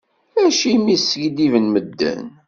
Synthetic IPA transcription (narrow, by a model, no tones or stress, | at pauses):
æʃimisəʝd̪ivənməd̪ːæ̰n